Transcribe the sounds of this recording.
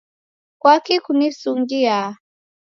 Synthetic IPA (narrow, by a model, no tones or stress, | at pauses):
kwakikunisuŋɡia